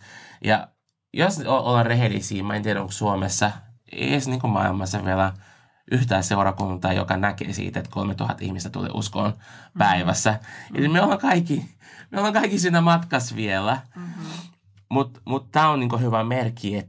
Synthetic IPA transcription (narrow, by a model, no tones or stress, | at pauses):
jɑ̰ | josoʔolːɑrrehelːḭsiːmɑint̪ieɾæoksuomesːɑ | ḛːsniːŋkumɑ̰ḭlmɑsːɑʋielæ | ʔyht̪æːseuɾɑkunt̪ɑːjo̰kɑnækḛːsḭːt̪et̪kʰolmet̪uhɑ̰t̪ḭhmist̪æt̪ṵlḛːʔṵsko̰ːnpæiʋæsːæḛlimieolːɑŋkɑikːi | mieolːeŋkɑikːisiːnːæmɑt̪kɑsʋielæ | mut̪mut̪t̪æːonniːŋkohyʋæmerkːiet̪